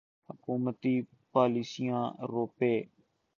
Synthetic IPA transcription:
həkuːmət̪iː | paːliːsijãːɾoːpeː

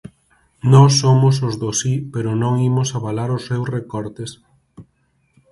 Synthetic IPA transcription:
nɔsːomʊsozðosipeɾʊnõŋimʊsaβalaɾʊsːewsrekɔɾt̪es

